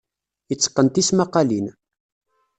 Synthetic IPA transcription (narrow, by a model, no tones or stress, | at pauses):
jət͡sːə̥qːənt̪ismaqːɑlin